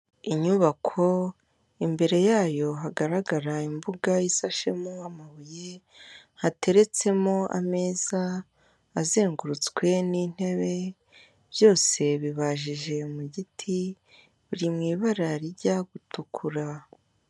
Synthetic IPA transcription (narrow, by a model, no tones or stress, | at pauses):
iɲuβakʰo̞ | imbe̞ɾe̞jaːjo̞ɦaɡaɾaɡaɾaimbuɡajisaʃe̞moamaβuje̞ | hatʰe̞ɾe̞t͡se̞mo̞ʔa̰me̞ːz̥aː | ze̞ːŋɡuɾut͡skwe̞nin̥e̞βe̞ | β̥jo̞ːse̞βiβaʒiʒe̞muɟitʰi | βiɾimŋiːβaɾaɾiɟaɡutukʰuɾa